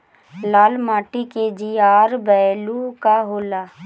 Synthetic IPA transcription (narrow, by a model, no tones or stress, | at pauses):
laːlmaːʈiked͡ʒiaːɾbɛːlukaɦoːlaː